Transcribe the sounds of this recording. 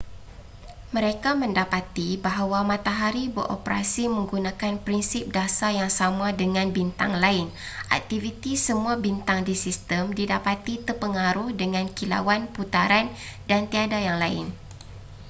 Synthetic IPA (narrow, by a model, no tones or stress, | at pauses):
mə̃ɾekamə̃ndapat̪ibaɦawamãt̪aɦaɾibəɾʔo̰pɾa̰simə̃ŋɡunãkanpɾinsɪp̚dasajaŋsamãdəŋãnbint̪a̰ŋlaɪn | ʔa̰k̚t̪ivit̪isəmũabint̪aŋdisist̪əmdidapat̪it̪ərpəŋaɾʊhdəŋãnkila̰wanput̪aɾandant̪iadajaŋlaɪ̰n